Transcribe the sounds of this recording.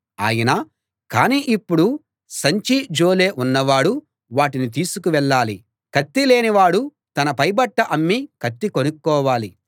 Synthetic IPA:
a̰ːjɐnaː | kaːniːʔipːuɽu | sɐɲt͡ʃid͡ʒo̞ːleːʔunːɐʋaːɽu | ʋaːʈinit̪̬iːsukuʋɛɭːaːli | kɐt̪ːile̞ːniʋaːɽu | t̪ɐnɐpɐjbɐʈːɐʔɐmːikɐt̪ːiko̞nukːɔːʋaːli

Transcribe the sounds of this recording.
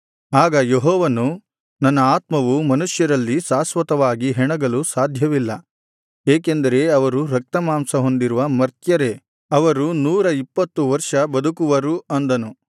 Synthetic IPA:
aːɡɐjeɦɔːʋɐnu | nɐnːɐaːt̪mɐʋumɐnuʂjɐɾɐlːisaːsʋɐt̪ɐʋaːɡiɦɛɳɐɡɐlusaːd̪ʱjɐʋilːɐ | eːkend̪ɐɾe̞ɐʋɐɾuɾɐk̚t̪ɐmaːmsɐɦo̞nd̪iɾuʋɐmɐɾt̪jɐɾe̞ | ɐʋɐɾunuːɾɐipːɐt̪ːuʋɐɾʂɐbɐd̪ukuʋɐɾuʔɐnd̪ɐnu

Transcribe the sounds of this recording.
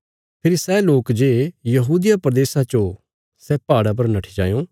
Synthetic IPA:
pʰɪɾisɛloːkd͡ʒeːjɐɦuːd̪ijapɐɾɐd̪eːsat͡ʃo | sɛpaːɽap̬ɐɾnɐʈʰi̥d͡ʒa̰ːjõ

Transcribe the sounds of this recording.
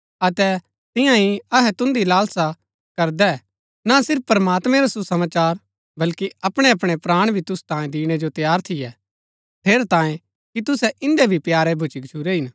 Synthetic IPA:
ɐt̪ɛ | t̪ɪ̃jãɦiɐɦɛt̪ʊ̃nd̪ilaːlsa | kɐɾd̪ɛ | nasɪɾpːpɾɐmaːt̪mɛ̃ɾasusɐmaːt͡ʃaːɾ | bɐlkiɐpɽ̃eɐpɽ̃epɾaːɽ̃bʱit̪ʊst̪ãːẽd̪iːɽ̃ɛd͡ʒot̪jaːɾt̪ʰɪjɛ | pʰeːɾt̪ãːjẽ | kit̪ʊsɛʔɪ̃nd̪ɛbʱipjaːɾɛbʱʊt͡ʃikt͡ʃʰuɾeɦɪn

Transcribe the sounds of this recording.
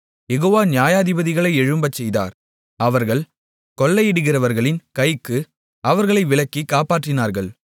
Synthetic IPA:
jɛɣoːʋaːnjaːjaːðɪbɐðɪɣɐɭɐɪɛɻɯmbɐt͡ʃːɛjða̰ːɾ | ɐʋɐɾɣɐɭ | kɔɭːɐjɪɽɯɣɪrɐʋɐɾɣɐɭɪnkɐɪkːɯ | ɐʋɐɾɣɐɭɐɪʋɪɭɐkːikːaːpaːʈrɪnaːɾɣɐɭ

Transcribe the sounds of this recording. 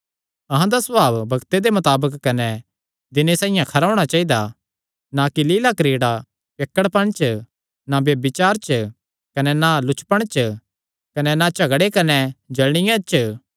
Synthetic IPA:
ɐɦãd̪asɐbaːbbɐɡt̪ed̪emɐt̪aːbəkːɐnɛ | d̪ɪnesãːɪjãkʰɐɾaːʊɽ̃at͡ʃaːid̪a | nakililakɾeːɽa | peːkːəɽpɐɽ̃t͡ʃ | nabebɪt͡ʃaːɾt͡ʃ | kɐnɛnalʊt͡ʃʰpəɽ̃t͡ʃ | kɐnɛnat͡ʃɐɡɽekɐnɛd͡ʒɐlɽ̃ɪjãt͡ʃ

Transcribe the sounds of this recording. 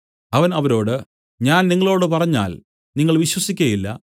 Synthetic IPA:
ɐʋɐnɐʋɐɾo̞ːɽɨ | ɲaːnniŋːɐɭo̞ːɽɨpɐrɐɲːa̰ːl | niŋːɐɭʋiɕwɐsikʲːɐjilːɐ̰

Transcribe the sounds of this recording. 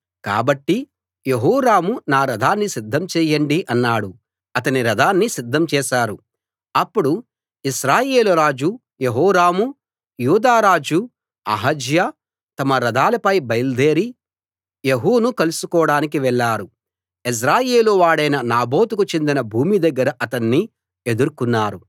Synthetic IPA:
ka̰ːbɐʈːi | jeɦɔːɾaːmunaːɾɐd̪ʱaːnːisid̪ʱːɐmt͡ʃɛːjɐɳɖiʔɐnːaːɽu | ɐt̪ɐniɾɐd̪ʱaːnːisid̪ʱːɐmt͡ʃɛːʃaːɾu | ɐpːuɽu | iʃɾaːje̞ːluɾaːd͡ʒu | jeɦɔːɾaːmu | juːd̪aːɾaːd͡ʒu | ɐ̰ɦɐd͡ʒja | t̪ɐmɐɾɐd̪ʱaːlɐpɐjbɐjld̪e̞ːɾi | jeɦuːnukɐlusukɔːɽaːnik̬iʋɛɭːaːɾu | is̬ɾaːjeːluʋaːɽɐjnɐnaːbo̞ːt̪ukut͡ʃe̞nd̪inɐbʱuːmid̪ɐɡːɐɾɐʔɐt̪ɐnːi | e̞d̪uɾukunːaːɾu

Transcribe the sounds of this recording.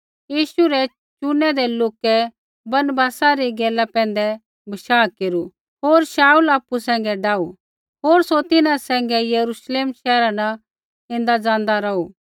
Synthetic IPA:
jiːʃuɾɛ | t͡ʃʊnːɛd̪ɛloːkɛ | bɐnbaːsaɾiɡɛːlapɛ̃ːnd̪ɛ | bʱɐʃaːkeːɾu | ɦoːɾʃaːulaːpːusɛ̃ːŋɡɛɖaːu | ɦoːɾsot̪ɪnãsɛ̃ːŋɡɛjɐɾuʃleːmʃɛːɾanɐ | ɪ̃nd̪ad͡zãːnd̪aɾɐuː

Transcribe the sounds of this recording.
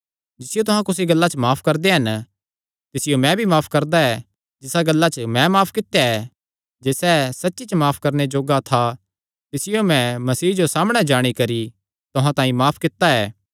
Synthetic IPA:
d͡ʒɪsɪjot̪ʊɦãkʊs̬iɡɐlːat͡ʃəmaːpʰkɐɾd̪eɦɐn | t̪ɪsɪjomɛ̃bʱimaːpʰkɐɾd̪aɛ | d͡ʒɪsaɡɐlːat͡ʃəmɛ̃maːpʰkɪt̪ːjaɛ | d͡ʒeːsɛsɐtːʃit͡ʃəmaːpʰkɐɾned͡ʒoːɡat̪ʰa | t̪ɪsɪjomɛ̃mɐsiːd͡ʒosaːməɽ̃ɛd͡ʒaːɽ̃ikɐɾi | t̪ʊɦãt̪ãːĩmaːpʰkɪt̪ːaɛː

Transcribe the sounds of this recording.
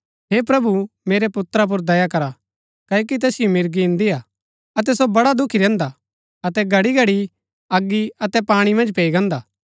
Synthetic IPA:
ɦepɾɐbumeːɾepʊt̪ɾap̬ʊɾd̪ɐjakɐɾa | kɐokit̪ɛːsɪjomɪɾɡiɪ̃nd̪iaː | ɐt̪̬ɛsobɐɽad̪ʊkʰiɾɛ̃ːnd̪a | ɐt̪ɛɡʱɐɽiɡʱɐɽi | ɐɡːiɐt̪ɛpaːɽ̃imɐ̃nd͡ʒpeːiɡɐ̃ːnd̪aː

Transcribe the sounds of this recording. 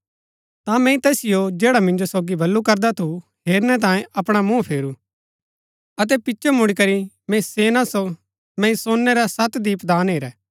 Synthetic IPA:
t̪ãmɛ̃ːĩt̪ɛːsɪjod͡ʒeːɽamɪ̃nd͡ʒosoːɡibʱɐlːukɐɾd̪at̪ʰuɦeːɾnɛt̪̬ãːjẽʔɐpɽ̃amũːpʰeːɾu | ɐt̪̬ɛpɪtːʃʰomʊɽ̃ikɐɾi | mɛ̃iseːnãso | mɛ̃ːĩsoːnːeɾasɐt̪d̪iːpd̪aːnɦeːɾɛː

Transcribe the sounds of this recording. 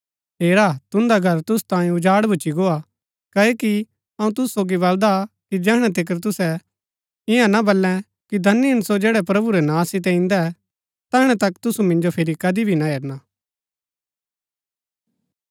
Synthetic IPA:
ɦeːɾaːt̪ʊ̃nd̪aɡʱɐɾt̪ʊst̪ãːĩʊd͡ʒaːɽbʱʊt͡ʃiɡoːa | kɐeki | ɐũt̪ʊsusoːɡiβɐld̪akid͡ʒɛːɦɽ̃ɛt̪̬ɪk̬əɾt̪̬ʊsɛ | ɪ̃ɦãnabɐlːɛ̃ | kid̪ʱɐnːiɐnsod͡ʒeːɽɛpɾɐbuɾɛnãːsɪt̪̬ɛ̃ɪ̃nd̪ɛ | t̪ɛːɦɽ̃ɛt̪ɐkt̪ʊsumɪ̃nd͡ʒopʰɪɾikɐd̪ibʱinaɦeːɾnaː

